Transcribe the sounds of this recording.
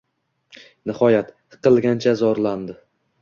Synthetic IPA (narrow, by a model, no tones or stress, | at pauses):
nɪhɒjat̪ | qʰɨlˠɡʲant͡ʃʰazɒɾland̪ɪ